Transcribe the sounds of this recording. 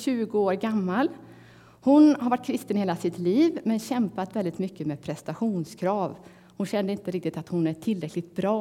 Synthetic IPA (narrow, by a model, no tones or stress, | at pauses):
ɕʉ̟ːɡʊoːɾɡamːal | hʊnhaɾvaʈ̚ːkʰɾɪst̪ənɪheːlasɪt̪liːvmɛnɕɛmpat̪vɛld̪ɪt̪mʏkːəmeːpʰɾɛst̪aɧuːnskʰɾɑːv | hʊnɕɛnːəɾɪnt̪əɾɪk̚t̪ɪt̪at̪hʊnæʈʰɪlːɾɛklɪɡt̪̚bɾɑː